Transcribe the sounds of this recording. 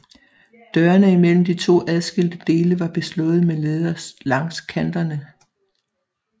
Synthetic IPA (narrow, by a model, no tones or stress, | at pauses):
d̥ɶːɐnəimel̰m̩d̥it͡sʰo̝̰ːʔæð̞ˠsɡ̥e̝l̰d̥əd̥e̝ːləʋɑ̈b̥e̝slɔ̽ð̩ˠmeleːðˠɐslɑ̈ŋskʰænd̥ɐnə